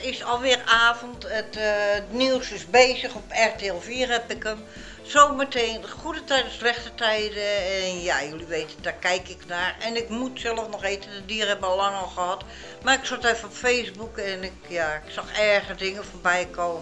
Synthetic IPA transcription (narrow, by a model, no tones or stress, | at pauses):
ɪsɔlˠʋɪraːfəntəttniwsɪsbeːzəxɔpɛrteɛlˠfiərɛpɪkəm | soːməteːnxudətɛjdəslɛxtətɛjdəɛnjajuliʋeːtədakɛjkɪknaːrɛnɪkmutsɛlˠəfnɔxeːtədədiərhɛbɔlaŋɔlˠxəhɔt | marɪksɔtɛfəɔpfesbukɛnɪkjaɪksɔxɛɹɣədɪŋəforbɛjkʰoːmə